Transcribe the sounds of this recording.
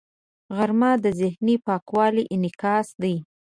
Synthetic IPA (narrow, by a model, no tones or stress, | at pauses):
ɣaɾmɑd̪əzɪhnipɑkwɑliʔɪnɪkɑsd̪aj